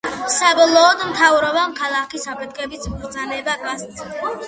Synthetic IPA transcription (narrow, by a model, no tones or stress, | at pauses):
sabɔlˠɔːd̪mt̪ʰavɾɔbamkʰalˠakisapʰɛt̪̚ʰkʼɛbisʰmɡɾt̪d̪zanɛbakʼast̪si